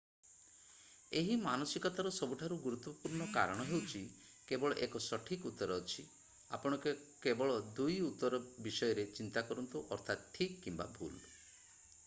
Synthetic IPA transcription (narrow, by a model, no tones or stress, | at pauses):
eɦimanɔsikɔt̪aɾɔsɔbuʈʰaɾuɡuɾut̪ːwɔpuɾɳɔka̰ɾɔɽ̃ɔɦewt͡ʃʰi | kebɔɭɔʔekɔsɔʈʰikut̪ːɔɾɔːt͡ʃʰi | a̰pɔɽ̃ɔkekebɔɭɔd̪ujut̪ːɔɾɔbisɔjɔɾet͡ʃint̪akɔɾɔnt̪uʔɔɾt̪ʰat̪ʈʰikːimba̰bʱṵl